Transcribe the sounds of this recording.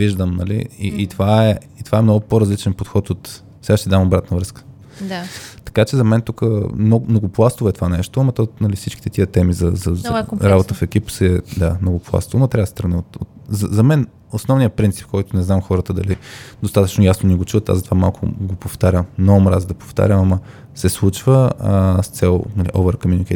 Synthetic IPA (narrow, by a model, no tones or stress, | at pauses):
viʒd̪əmnɐlḭḭit̪ovaɛit̪ovaɛmnɔɡʊpoɾɐzlit͡ʃɛnpot̪xɔt̪ot̪ | sɛɡaʃt̪ɛd̪amobɾat̪nɐvɾɤskə̥ | dt̪ɐ̥kat͡ʃɛzɐmɛnt̪ukəmnɔmnoɡoplˠast̪ovɛt̪ovanɛʃt̪oɐmɐt̪ɔnɐlifsit͡ʃki̥t̪ɛt̪iət̪ɛmizɐzɐzɾabot̪əfɛkʲipsɛɛd̪anoɡʊplˠa̰st̪ovəmɐt̪ɾʲavɐd̪st̪ɾɐnɛot̪o̰tzɐzɐmɛn | osnɔvnijəpɾint̪si̥p̚kɔjt̪ʊnɛznamxɔɾət̪əd̪ɐlid̪ost̪at̪ət͡ʃnojasnonɛɡot͡ʃuət̪a̰zɐt̪ovamalˠkʰʊ̰ɡopoft̪aɾʲəmnomɾazd̪ɐpo̥ft̪a̰ɾʲəmamɐ | sɛslˠut͡ʃvəst̪sɛlˠnɐliʔɔ̰vɛɾkomʲinikɛ